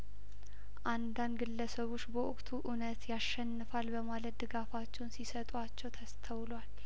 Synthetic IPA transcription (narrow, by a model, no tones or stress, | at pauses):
ʔand̪and̪ɡɨlːəsəβot͡ʃːbəʔʊkʼt̪ʰuʔunət̪jaʃːɛnːɨfalbəmalət̪̚d̪ɨɡafat͡ʃːɛwnsisət̪ʼat͡ʃːɛwt̪ʰəst̪ʰəwlal